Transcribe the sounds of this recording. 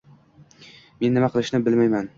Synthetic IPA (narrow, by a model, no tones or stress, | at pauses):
me̞nːɪmaqʰɨlˠɪʃnɪbɪlmajman